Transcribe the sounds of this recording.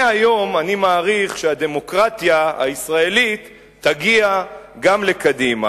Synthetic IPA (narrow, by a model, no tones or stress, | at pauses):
ajo̞manimaːʁiχʃehad̪e̞mo̞kʁat̪jaha̰isʁae̞lit̪ː | aɡiaɡamle̞kadima̰